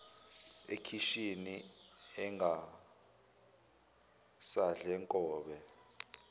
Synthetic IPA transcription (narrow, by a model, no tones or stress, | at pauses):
ekʰiʃiniɛŋɡa | saɮɛŋkʼɔːɓɛ